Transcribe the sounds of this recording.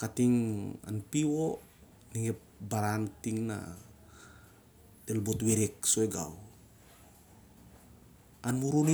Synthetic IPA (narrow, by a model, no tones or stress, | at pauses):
katiŋa̰npiwo | niŋep | baɾantiŋna̰ | telbotweɾek̚sojɡa̰w | anmuɾun